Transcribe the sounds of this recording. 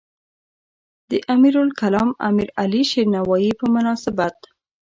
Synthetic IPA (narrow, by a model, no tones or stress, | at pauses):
d̪̥əʔamiɾʊlkalɑma̰miɾaliʃiɾnawɑjipəmʊnɑsɪbat̪